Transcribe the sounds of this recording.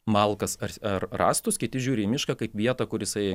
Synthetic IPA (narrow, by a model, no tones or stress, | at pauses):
mɑlˠkɐsɐɾɐrrɑːst̪ʊskʲɪt̪ʲɪʒʲuːɾʲɪmʲɪʃkɐkɐɪpʋʲiɛt̪ɐkʊɾjɪsɐɪ